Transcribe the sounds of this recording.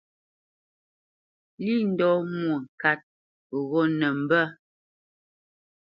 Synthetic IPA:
li˦˨n̩˨dɔ˨˦mwo˨ŋ̩˨ka˦t̚ | ɣɔ˦nə˨m̩˨bə˦

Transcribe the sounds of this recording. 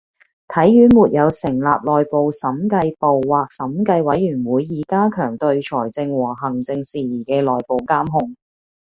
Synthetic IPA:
t̪ʰɐ˨˥jːyː˨˥muː˨t̚jɐ˨˧wsɪ˨˩ŋla̰ː˨p̚lɔː˨jpo˨wsɐ˨˥mkɐ˧jpo˨wːaː˨k̚sɐ˨˥mkɐ˧jwɐ˨˥jːyː˨˩nwuː˨˧jːiː˨˩kaː˥kʰœː˨˩ŋt̪ɵ˧ɥt͡ʃʰɔː˨˩jt͡sɪ˧ŋwɔː˨˩ɦɐ˨˩ŋt͡sɪ˧ŋsiː˨˩jiː˨˩kɛː˧lɔː˨˩jpo˨˩wkaː˥mɦʊ˧ŋ

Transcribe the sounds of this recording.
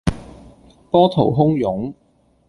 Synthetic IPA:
pɔː˥t̪ʰo˨˩wɦʊ˥ŋjʊ˨˥ŋ

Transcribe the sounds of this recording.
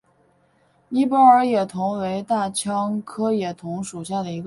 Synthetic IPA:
i˥˩pɔ˥ə˞˧˥jɛ˨˩t̪ʰʊ˧˥ŋwe˧˥ɪt̪a˥˩t͡ɕʰjɑ˥ŋkʰɤ˥jɛ˨˩t̪ʰʊ˧˥ŋʂu˨˩ɕja˥˩d̪ə˩i˧˥ɡ

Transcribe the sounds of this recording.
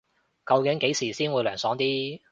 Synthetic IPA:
kɐ˧wkɪ˨˥ŋke˨˥jsiː˨˩siː˥nwuː˨˧jlœː˨˩ŋsɔː˨˥ŋt̪iː˥

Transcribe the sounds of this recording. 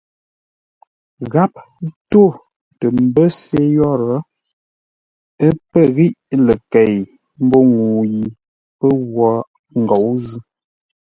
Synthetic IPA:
ɣa˦p̚ | to˦˨ | tə˨m̩˨bə˦se˦jɔ˦˨ɾə˨˦ | ə˦pə˦˨ɣi˦ʔlə˨kɛ˨j | m̩˦bo˦ŋu˨ji˨ | pə˦ɣwɔ˨˦ | ŋ˨ɡɔ˨˦wzɨ˦

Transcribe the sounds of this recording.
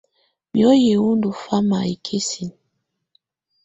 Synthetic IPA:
bjɔ˦je˨wu˦ndu˨fa˦ma̰˨i˨kʰe˦si˨n˨

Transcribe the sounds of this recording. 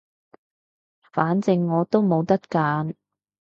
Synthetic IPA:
faː˨˥nt͡sɪ˨ŋːɔː˨˧t̪o˥wmo˨˧wt̪ɐ˥t̚kaː˨˧n

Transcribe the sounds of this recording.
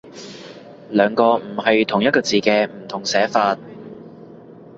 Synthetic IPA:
lœː˨˧ŋkɔː˧m̩˨˩hɐ˨jt̪ʰʊ˨˩ŋjɐ˥t̚kɔː˧t͡siː˨kɛː˧m̩˨˩t̪ʰʊ˨˩ŋsɛː˨˥faː˧t̚

